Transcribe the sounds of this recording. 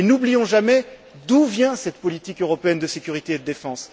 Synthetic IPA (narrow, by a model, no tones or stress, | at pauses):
enublijɔ̃ʒamɛ | d̪uvjɛ̃sɛt̪pɔlit̪ikøʁɔpeɛnd̪əsekʲyʁit̪eːd̪əd̪efɑ̃s